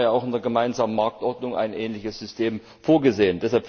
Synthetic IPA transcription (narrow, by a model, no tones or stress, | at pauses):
jaaʊxɪndeːɐɡəmaɪnzaːmənmaɐk̚tʔɔɐdnʊŋʔa̰ɪnʔɛːnlɪçəsz̥ʏstʰeːm | foːɐɡəzeːəndɛshalpf